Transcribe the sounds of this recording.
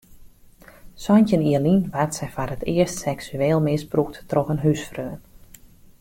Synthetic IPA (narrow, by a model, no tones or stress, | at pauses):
sɔncəniəlinʋartsɛjfarətʰɪərstsɛksyeːlˠmɪsbruk̚ttrɔxənɦysfrøːn